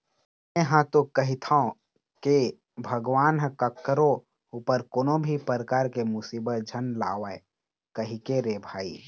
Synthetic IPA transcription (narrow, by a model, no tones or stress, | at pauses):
mẽɦãt̪okəɦit̪ʰaõ | ke | bʱəɡʋaːnɦə̃kəkːəɾo | upəɾkoːnõbʱipəɾəkaːɾkemʊsiːbət̪̚d͡ʒʱənla̰ːʋa | kəɦikeɾebʱaːḭː